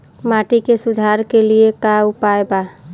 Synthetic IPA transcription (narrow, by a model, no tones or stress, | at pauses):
maːʈikesʊd̪ʱaːɾkeliekaʊpaːjbaː